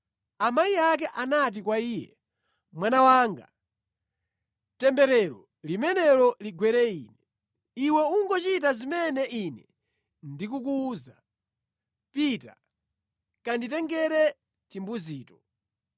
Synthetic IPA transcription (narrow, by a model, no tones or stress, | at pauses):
amajiak̬ɛʔanat̬ikwaiːjɛ̰ | mwanawaːŋɡa̰ | tɛmbɛɾɛɾɔ | limɛnɛɾɔliɡwɛɾɛiːnɛ | iwɛuŋɡɔt͡ʃit̬azimɛnɛʔinɛ | ndikuk̬uːza | pita̰ | kanditɛŋɡɛɾɛ | timbuziːtɔ